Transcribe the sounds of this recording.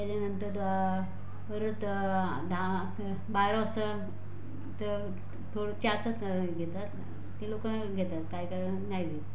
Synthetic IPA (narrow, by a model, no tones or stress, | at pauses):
t̪jat͡ɕanənt̪əɾ | əɾət̪ | d̪ʱa | baɾə̃sə | t̪ə | t̪ʰoɽət͡ɕat͡sə | ɡʱet̪at̪ | t̪ilokə | ɡʱet̪at̪kajkə | najli